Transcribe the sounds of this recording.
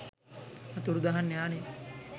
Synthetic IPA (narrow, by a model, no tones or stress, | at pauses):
at̪uɽud̪aɦanːejaːne